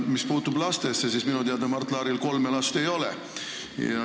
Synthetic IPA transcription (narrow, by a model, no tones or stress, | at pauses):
mispuːt̪ːˑublɑst̪e̞sːesisminut̪iɑd̪ɑmɑrt̪ːˑlɑːɾilko̞lmelɑst̪e̞jo̞lḛ | jɑ̰